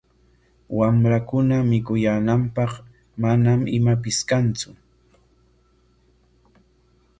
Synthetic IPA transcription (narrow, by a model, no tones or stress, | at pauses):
wamɾakʊnamɪkʊjaːnampɑχ | manamɪmapɪskant͡sʊ